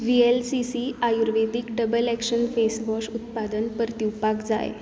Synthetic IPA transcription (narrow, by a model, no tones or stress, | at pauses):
ʋielsisiajuɾʋed̪ikɖəbəlækʂənfesʋɔʂut̪̚pad̪ənpəɾt̪iwpakd͡za̰jḛ